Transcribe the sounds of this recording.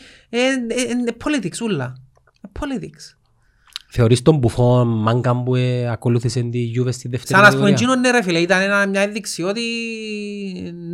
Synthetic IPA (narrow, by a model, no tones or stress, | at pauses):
eepʰːolit̪iksulːɐ | epʰːolit̪iks | θeoɾist̪ombufonmaŋɡambueakoluθisend̪ijuvest̪iðeft̪seɾɐnɐspumed͡ʒinonːeɾefileit̪ɐnenɐmɲɐenðiksiot̪i